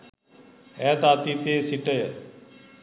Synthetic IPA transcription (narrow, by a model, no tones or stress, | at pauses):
ɛːt̪aːt̪iːt̪eːsiʈəjə